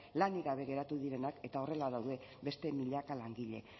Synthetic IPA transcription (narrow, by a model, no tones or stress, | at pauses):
laniɣaβe̞ɣe̞ɾat̪uð̞iɾe̞nake̞t̪ao̞re̞laðawðe̞ | be̞st̪e̞miʎakalaŋɡiʎe̞̰